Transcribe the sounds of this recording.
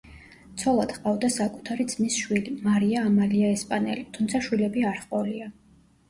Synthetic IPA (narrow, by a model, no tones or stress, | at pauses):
t̪sʰɔlˠad̪̥χqʼavd̪asakʼu̥t̪ʰaɾid̪z̥misʃwilimaɾiaːmaliaɛspʼanɛ̰lit̪ʰumt̪sʰaʃwilɛbiaɾχqʼɔlia